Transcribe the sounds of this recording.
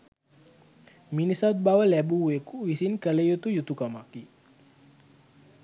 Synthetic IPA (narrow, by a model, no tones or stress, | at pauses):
minisat̪̚bawalɛbuwekuwisinkəlejot̪ujut̪ukamaki